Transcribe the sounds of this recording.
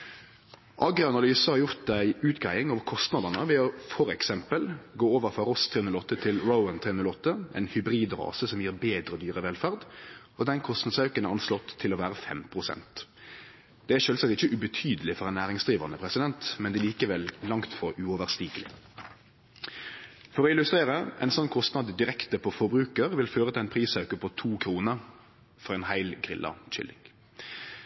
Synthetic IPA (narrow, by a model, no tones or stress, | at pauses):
ʔɑɡɾəɑnɑlyːsəhɑʁjʊʁt̪̚d̪æɪʉːt̪ɡæɪɪŋɑːʋkʰɔst̪nɑd̪ɑnəʋɛɔfɔɾɛksɛmpəlɡoːoːʋəʁfɔʁɔst̪ʰeːʉnlɔt̪ːət̪ʰɪlɾəʊənt̪ʰeːʉnlɔt̪ːəʔɛ̰ɪnhʏbʁiːd̪ʁɑ̰ːsəsɔmjiːʁbeːd̪ɾəd̪yːʁəʋɛlfæʁd̪ | ɔd̪ɛnkʰɔst̪nɑd̪sɑʉkənɛʁɑnslɔt̪ʰːɪloːʋæːʁəfɛ̰mpʰʁʊsɛ̰nt̪ | d̪̥ɛæʃøːlsɑk̚t̪ɪçəʔʉbət̪ʰyːd̪əlɪfɔʁɛɪnæːʁɪŋsd̪ʁiːʋənəpʰʁɛsɪd̪ɛnt̪mɛnd̪ɛliːkəʋɛllɑŋt̪fɔʁʉɔʋəʁst̪iːɡəlɪ̰ | fɔʁɔɪlʉst̪ʁeːʁəʔɛ̰ɪnsɔnːkʰɔst̪nɑd̪d̪ɪʁɛkt̪əpʰɔfɔbʁʉːkəʁʋɪlføːʁət̪ʰɪlæɪnpʰʁiːsɑʉkəpʰɔt̪ʰuːkʰɾuːnəʁ | fɔʁɛɪnhæɪlɡʁɪ̰lʔɑ̰c͡çʏ̰lɪ̰ŋ